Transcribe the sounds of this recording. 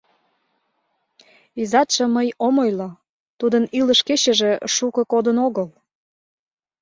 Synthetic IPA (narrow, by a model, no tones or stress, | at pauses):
izɑt̪ʃə̆məjomojlo | t̪ud̪əniləʃket͡ɕəʒeʃukəkod̪ənoɣəl